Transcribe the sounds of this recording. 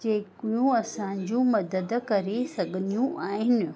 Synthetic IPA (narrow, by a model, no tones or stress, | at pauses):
d͡ʑeːkijũɐsãɲd͡ʑũmɐd̪əd̪̆kɐɾesɐɡʱnijũʔaːɦɪnɪ̆